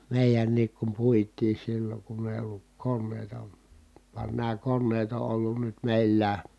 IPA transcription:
meˑijænːiːk kum puitˑiː silːoŋ kunː eˑi olːuk konːeˑi̯tɑ ʋɑn næː konːeːt o ʔolːun nyt meˑilːæː

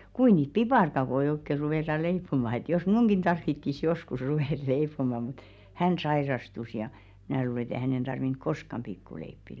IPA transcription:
kui niːt pipɑrkɑkoi oikːe ruʋeˑtɑ leipːomɑ et jos mn̞uŋɡ̊in tɑrʋitːis joskus ruʋeˑt leipˑomɑ mut hæn sɑirɑstus jɑ mĭnæˑ luːle ĕt e hænen tɑrʋink koskɑm pikːuleipːi

